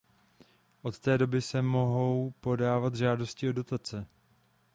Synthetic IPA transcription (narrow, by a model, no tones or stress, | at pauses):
ʔo̞t̪t̪ɛːdo̞bɪsɛmo̞ɦo̞wpo̞daːvat̪ʒaːdo̞scɪodo̞t̪at͡sɛ